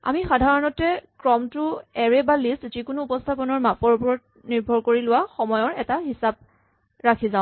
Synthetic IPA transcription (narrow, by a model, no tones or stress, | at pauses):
a̰mixadʱaɹɔnɔtɛkɹɔmtʊɛɹɛbalistzikʊnuːpɔstʰapɔnɔɹmapɔɹpɔɹɔt̚ | niɹbʱɔɹkoɹilʊwaxɔmɔjɔɹɛtaɦisab̚ | ɹakʰizãʊ̃